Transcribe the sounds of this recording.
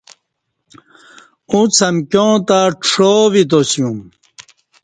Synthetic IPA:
ũt͡sʰɐmkjõːt̪aʈ͡ʂʂoːvit̪osijũm

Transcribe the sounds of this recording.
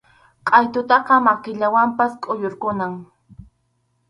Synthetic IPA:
qʼɑjt̪ʊt̪ɑqɑmakɪʎawampaskʼʊjoɾkʊnaŋ

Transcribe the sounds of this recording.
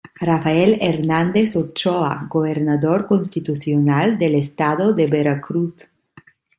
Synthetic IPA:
rafaeleɾnãnd̪esot͡ʃoa̰ɡoβeɾnaðoɾkonst̪it̪uθjonald̪elest̪aðod̪ebeɾakɾuθ

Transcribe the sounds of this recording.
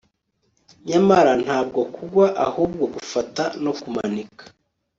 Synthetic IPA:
ɲamaɾan̥haːb̚ɡo̞kuɡwaʔa̰hub̚ɡoɡufatanokumanikḁ

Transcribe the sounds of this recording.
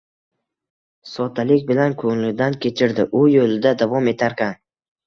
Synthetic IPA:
sɒt̪ʰalɪkʲbɪlankʰoŋlɪd̪ankʲʰe̞t͡ʃʰɪɾd̪ɪʔʊjolɪd̪ad̪avɒme̞t̪ʰaɾkʲan

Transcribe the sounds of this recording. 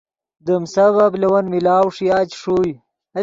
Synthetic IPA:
d̪əmsɐβɐblewɐnmilaːwʂijaːt͡ɕʂuːj | ɐ

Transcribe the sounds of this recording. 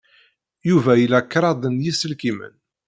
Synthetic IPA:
juvæjəlːækːɾˤɑd̪ˤənjisəlkimə̰n

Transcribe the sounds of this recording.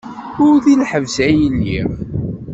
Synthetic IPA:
ʊɾθilħəvsæjəlːḭʁ

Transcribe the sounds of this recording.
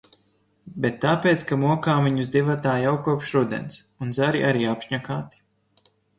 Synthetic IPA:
bet̪ːaːpeːt̪skamuɔkaːmiɲuzd̪ivat̪aːjawkuɔpʃɾud̪ḛns | unzaɾiʔaɾiːapʃɲakaːt̪i̥

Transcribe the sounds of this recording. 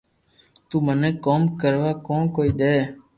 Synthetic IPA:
t̪uːmənẽːkoːmkəɾʋaːkoːnkoːiːɗ̪eː

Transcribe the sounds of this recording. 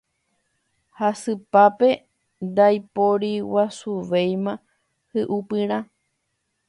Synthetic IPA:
hasɨpape̞ | nd̪ajpoɾiwasuʋejmã | hɨʔupɨɾ̃ã

